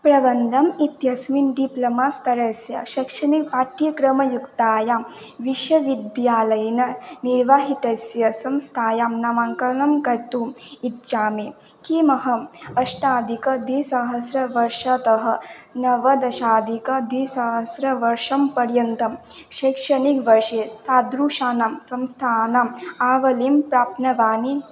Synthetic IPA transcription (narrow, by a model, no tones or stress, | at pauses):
pɾɐbɐnd̪ʱɐmit̪jɐsminɖiplɐmaːst̪ɐɾɐsjɐ̰ʃɐkʂɐnipaːʈɾjɐkɾɐmɐjukt̪aːjaːmʋiʃʋɐʋid̪jaːlɐjɐnɐniɾʋaːɦit̪ɐsjɐsɐmst̪ʰaːjaːmnɐmaŋkɐɾɐnɐmkɐɾt̪uːmit̪̚t͡ʃaːmeːkimɐɦɐɐʃʈaːd̪ikɐd̪isɐɦɐsɾɐʋɐɾʂɐt̪ɐɦɐ̆nɐʋɐd̪ɐʃaːd̪ikɐd̪isɐɦɐsɾɐʋɐɾʃɐmpɐɾjɐnt̪ɐmʃɐːkʂɐnikʋɐɾʂeːt̪aːd̪ɾuːʃaːnamsɐmst̪ʰaːnaːmaːʋɐliːmpɾaːp̚nɐʋaːni